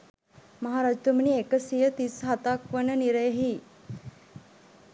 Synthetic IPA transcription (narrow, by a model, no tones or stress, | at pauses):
məɦaɾad͡ʒt̪umɳiekəsijət̪isɦat̪akʋənəniɾəjəɦi